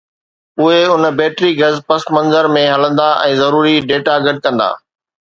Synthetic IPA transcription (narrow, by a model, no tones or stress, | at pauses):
ʊɦeʊnbeːʈɾiɡɐzpɐsmɐ̃nzəɾmẽɦɐlə̃nd̪aʔɛ̰̃ːzɐɾuːɾiɖeːʈaɡɐɖ̚kɐ̃nd̪a̰ː